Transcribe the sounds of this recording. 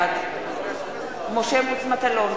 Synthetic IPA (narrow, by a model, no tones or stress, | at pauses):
d̪ | moʃemut͡smat̪alon